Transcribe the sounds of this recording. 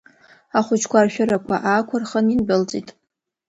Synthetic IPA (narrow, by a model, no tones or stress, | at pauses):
aχʷʊt͡ʃʰkʷarʃᶣʊɾakʷʰa̰ʔakʷʰarχəninbɨlt͡sʼitʼ